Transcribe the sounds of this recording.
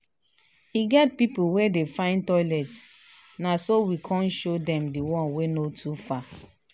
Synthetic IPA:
hiɡɛt̚pipuwedefãɪ̃ntɔɪlɛt | nasowikʰɔ̃nʃodɛ̃mdiwɔ̃nwenotʰufa

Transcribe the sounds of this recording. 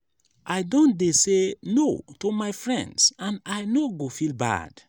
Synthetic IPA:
ʔajdõndesenotomajfɹɛ̰̃ndsãnajnoɡofilba̰d̥

